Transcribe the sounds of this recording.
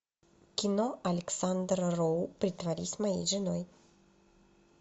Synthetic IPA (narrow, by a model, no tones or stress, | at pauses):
kʲɪnoɐlʲɪksand̪rrowpɾʲɪt̪vɐɾʲisʲmɐjḛjʐɨnoj